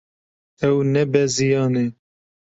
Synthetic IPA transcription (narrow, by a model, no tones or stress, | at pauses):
ɛwnɛbɛzijɑːne